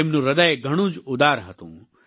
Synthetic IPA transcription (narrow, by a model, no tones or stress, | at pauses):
emnũɾəd̪əjɡʱəɽ̃ũːd͡ʒʊd̪aːɾɦət̪ṵ̃ː